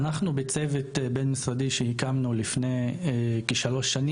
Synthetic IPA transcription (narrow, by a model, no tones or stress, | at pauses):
naχnubet͡sevet̪benmisʁad̪iʃehikamnulifne̞jkeʃalo̞ʃːani